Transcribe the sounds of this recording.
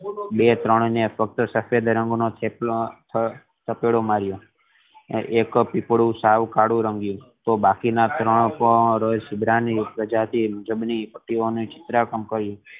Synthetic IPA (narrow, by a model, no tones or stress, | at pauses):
bet̪ɾəɳ̃nefək̚t̪əsəfed̪ɾəŋɡnot̪ʰe | t̪ʰəpeɽomaɾjo | ekpipɽũsaʋkaɽũɾəŋɡjũt̪obakinat̪ɾəɳ̃pəɾəjsɪbɾanipɾəd͡ʒat̪ʰimud͡ʒəbnipəʈːionit͡ʃɪ̥t̪ɾakəmkəɾjũ